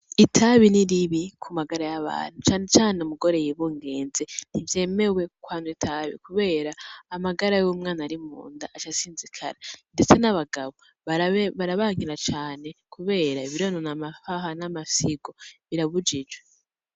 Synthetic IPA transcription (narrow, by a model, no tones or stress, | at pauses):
itʰaβiniɾiβikʰumaɡaɾajaβa̰ːn̥hut͡ʃaːne̞t͡ʃaːneumuɡo̞ɾe̞jiβuːŋɡe̞ːnzen̥ivje̞ːme̞we̞kwaːnwitʰaβḭkuβe̞ːɾaːmaɡaɾajuːmŋaːnaɾimṵːnda̰ʔat͡ʃasiːnzikʰa̰ɾande̞t͡se̞naβaɡaβo | βaβaɾaβaːŋiɾat͡ʃaːne̞kʰuβe̞ːɾaiβiɾononamafaɦanamasiɡo̞βiɾaβud͡ʒid͡ʒwe